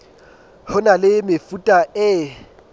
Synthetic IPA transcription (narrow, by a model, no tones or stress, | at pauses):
hʊnalɪmɪfutʼaɪ